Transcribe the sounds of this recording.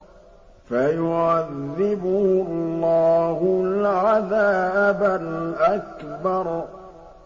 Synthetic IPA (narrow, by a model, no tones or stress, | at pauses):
fajʊʕaðːɪbʊhlːaːhʊlʕaðaːbalʔakbɑɾˤ